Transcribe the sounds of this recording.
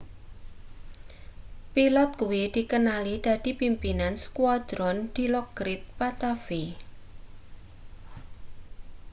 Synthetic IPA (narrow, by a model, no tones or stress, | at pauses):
pilɔt̪̚kuwid̪̥i̤kənalid̪̥a̤d̪̥ipimpinansə̥kwad̪̥ɾɔnd̪̥i̤lɔɡɾɪt̪̚pat̪afi